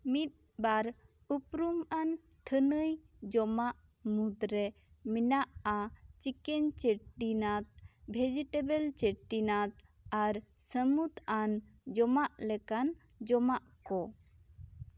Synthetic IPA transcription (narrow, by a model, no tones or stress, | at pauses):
mit̪̚ | baɾ | upɾuman | t̪ʰənəj | d͡ʒɔmaʔ | mud̪ɾɛ | minaʔat͡ʃikɛɲt͡ʃeʈinat̪̚bʱed͡ʒiʈebəlt͡ʃeʈinat̪̚ | aɾsəmut̪and͡ʒɔmaʔlɛkan | d͡ʒɔmaʔkɔ